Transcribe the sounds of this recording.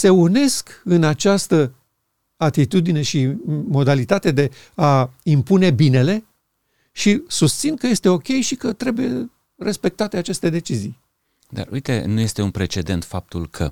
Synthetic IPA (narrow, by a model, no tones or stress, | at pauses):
se̞une̞skɨnat͡ʃast̪ə | at̪it̪ud̪ine̞ʃimo̞d̪alit̪at̪e̞d̪e̞ | aimpune̞bine̞le̞ | ʃisust̪sinkəje̞st̪e̞o̞kʲejʃikət̪ɾe̞buje̞ | re̞spe̞k̚t̪at̪e̞at͡ʃe̞st̪e̞d̪e̞t͡ʃizij | d̪a̰rṵjt̪e̞̰nuje̞st̪e̞unpɾe̞t͡ʃe̞d̪e̞nt̪fap̚t̪ulkʰə̰